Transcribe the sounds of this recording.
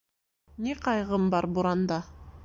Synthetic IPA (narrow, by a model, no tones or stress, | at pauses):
neqʰɑjʁɤmbɑɾbuɾɑnd̪ɑ